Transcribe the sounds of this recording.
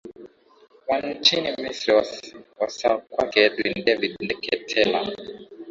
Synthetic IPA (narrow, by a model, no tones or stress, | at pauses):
wan̩t͡ʃinimisɾiawasakwakɛdwindɛvidndɛkɛtʰɛla